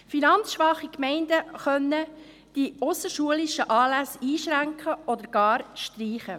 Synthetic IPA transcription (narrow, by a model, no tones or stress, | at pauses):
finɑntt͡sʃʋɑχikmɛɪndəχœnːə | d̥iʊsəʃuəliʃəʔɑːlæsiːʃɾæŋkχəɔd̪əɾɡ̥ɑːɾʃtriːχə